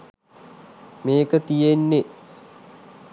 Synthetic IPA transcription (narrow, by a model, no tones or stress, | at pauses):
meːkət̪ijenːe